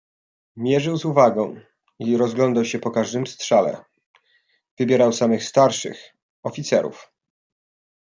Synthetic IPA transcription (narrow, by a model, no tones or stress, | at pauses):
mʲjɛʐɘwzuvaɡɔ̃w̃ | iɾɔzɡlɔnd̪awɕɛpɔkaʐd̪ɘmst̪ʂalɛ̰ | v̥ɘbʲjɛɾawsamɘxst̪aɾʂɘ̰x | ɔfʲit̪sɛɾṵf